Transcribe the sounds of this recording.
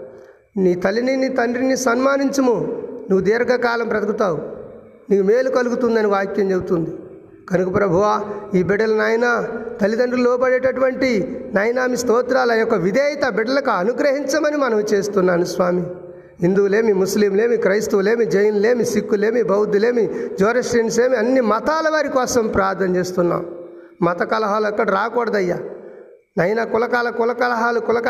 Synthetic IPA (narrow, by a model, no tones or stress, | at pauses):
niːt̪ɐlininit̪ɐɳɖɾinisɐnmaːniɲt͡ʃɐmunuʋud̪iːɾɐɡɐkaːlɐmpɾɐt̪ɐkut̪aːwu | niːumeːlukɐluɡut̪und̪ɐniʋaːkjɐmt͡ʃebut̪und̪i | kɐnukɐpɾɐbʱuʋaːiːbɛɖːɐlɐnaːjɐnaːt̪ɐlid̪ɐɳɖilɔːbɐɽeːʈɐʈuʋɐɳʈinɐːjɐnaːmist̪ɔːt̪ɾaːlɐjɔkːɐʋid̪ɛːjɐt̪ɐbɛɖːɐlɐkuɐnuɡɾɐɦiɲt͡ʃɐmɐnimɐnɐmut͡ʃe̞ːst̪unːaːnusʋaːmi | ɦind̪uːle̞ːmimusliːmleːmikɾɐjst̪ule̞ːmid͡ʒɐjɐnle̞ːmisikːule̞ːmibɐwd̪ːule̞ːmid͡ʒoːɾɐʃɾinseːmiɐnːimɐt̪aːlɐʋaːɾikɔːsɐmpɾaːɾt̪ʰɐnɐt͡ʃe̞ːst̪unːa̰ːm | mɐt̪ɐkɐlɐɦaːluɐkːɐɽiɾaːkɔːɽɐd̪ɐjːa | nɐjnaːkulɐkaːlɐkulɐkɐlɐɦaːlukulɐk